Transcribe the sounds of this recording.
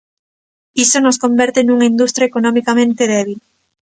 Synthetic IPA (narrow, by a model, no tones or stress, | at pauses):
isonoskombɛɾt̪enuŋaind̪ust̪ɾjaekonomikamẽnt̪eðɛβ̞il